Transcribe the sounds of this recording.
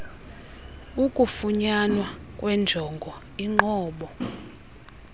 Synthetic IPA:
ukʼufuɲanwa | kʼwɛnd͡ʒʱɔŋɡʱɔ | iŋ͡ǃɔːɓɔ

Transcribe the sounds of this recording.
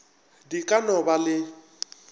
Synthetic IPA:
dikʼanɔbalɪ

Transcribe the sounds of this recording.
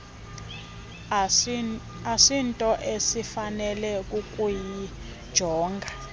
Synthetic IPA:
asintʼɔʔesifanɛlɛkʼukʼuji | d̥ʒ̥ʱɔːŋɡʱa

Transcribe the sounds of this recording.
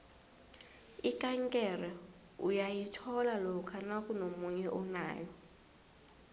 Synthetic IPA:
ikʼaŋkʼɛrɛ | ujajitʰɔlalɔkʰanakʼunomuɲɛʔɔna̰ːjɔ

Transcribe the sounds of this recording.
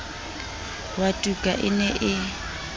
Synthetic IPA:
watʼukʼa̰ʔɪnɛʔɪ

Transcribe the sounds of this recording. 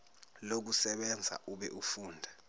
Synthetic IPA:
lok̬usɛɓɛnd͡zʱa̰ʔuɓɛʔufuːndʱa

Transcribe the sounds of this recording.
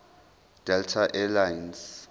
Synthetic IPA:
d̥ɛltʰaʔɛlajns

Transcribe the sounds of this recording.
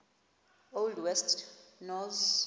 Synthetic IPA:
oldwɛstʰnɔz

